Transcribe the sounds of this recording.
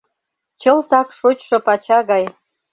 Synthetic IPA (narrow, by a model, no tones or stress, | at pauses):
t͡ɕə̆lt̪ɑkʃot͡ɕʃɤ̆pɑt͡ɕɑɣɑj